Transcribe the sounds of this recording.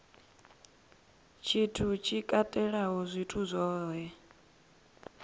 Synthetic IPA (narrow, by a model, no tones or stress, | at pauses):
t͡ʃʰitʰut͡ʃʰikʼatʼɛɺaɦɔzʷitʰuzʷɔːɦɛ